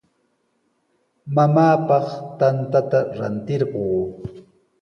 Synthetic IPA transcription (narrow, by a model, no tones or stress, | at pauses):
mamaːpɑχt̪ant̪at̪aɾa̰nt̪ɪɾɢoː